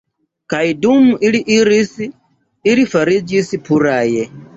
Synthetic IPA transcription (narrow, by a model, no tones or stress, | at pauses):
kaidumuʔiliʔiɾisiː | ɾifaɾid͡ʒisipʰuɾaːjɛ